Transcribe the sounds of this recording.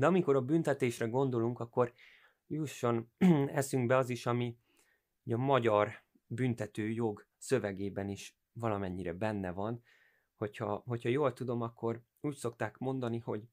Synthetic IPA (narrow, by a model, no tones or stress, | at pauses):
d̪ɛɒmiko̞ɾɒbynt̪ɛt̪eːʃrɛɡo̞nd̪o̞luŋkɒkːo̞r | juʃːo̞nɛsyŋɡbɛɒziʃɒmi | oɟɒmɒɟɒr | bynt̪ɛt̪øːjoɡ | sø̞vɛɡeːbɛniʃ | vɒlɒmɛɲːiɾɛbɛnːɛvɒn | ho̞chɒho̞chɒjoːlt̪ud̪o̞mɒkʰːo̞r | uːcso̞kt̪aːkmo̞nd̪ɒniho̞ɟ